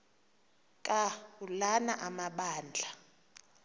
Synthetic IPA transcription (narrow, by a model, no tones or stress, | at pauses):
kʼaulanaʔamaɓaːnd͡ɮʱa